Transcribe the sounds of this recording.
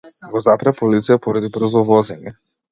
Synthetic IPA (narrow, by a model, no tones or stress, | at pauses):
ɡɔzapɾapɔlit̪sijapɔɾad̪ibɾ̩zɔvɔzɛɲɛ